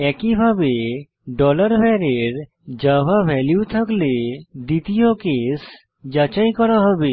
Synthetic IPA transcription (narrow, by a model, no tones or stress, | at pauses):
ɛkibʱabe | ɖɔləɾbʱɛɾeɾ | d͡ʒəbʱabʱɛljut̪ʰəkled̪it̪ijokes | d͡ʒat͡ʃajkɔɾaɦɔbe